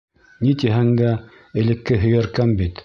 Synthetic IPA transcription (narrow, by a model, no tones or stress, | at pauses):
nit̪iɦæŋd̪æ | ɘ̆lɘ̆kːɘɦɵ̆jæɾkæmbit̪